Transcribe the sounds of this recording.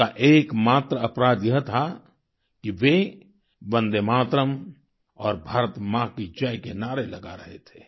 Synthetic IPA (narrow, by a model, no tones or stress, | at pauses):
aʔeːkmaːt̪ɾəɐpɾaːd̪jəɦt̪ʰa | kiʋe | bə̃nd̪emaːt̪ɾəm | ɔːɾbʱaːɾət̪mãkid͡ʒajkenaːɾelɐɡaɾɐɦet̪ʰeː